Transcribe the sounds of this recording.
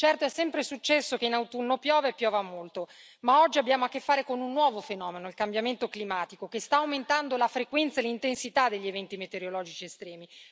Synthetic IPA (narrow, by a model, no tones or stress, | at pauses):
t͡ʃɛrt̪oɛsːɛmpɾesut͡ʃːɛsːokeinawt̪unːopjɔːvepːjɔːvamolt̪o | maɔd͡ʒːiabːjaːmoakːefːaːɾekonunːwɔːvofenɔːmenoilkambjament̪oklimaːt̪ikokest̪aːwment̪and̪olafɾekwɛnt̪saelːint̪ensit̪ad̪ːeʎːievɛnt̪imet̪eɾjolɔːd͡ʒit͡ʃiest̪ɾɛːmi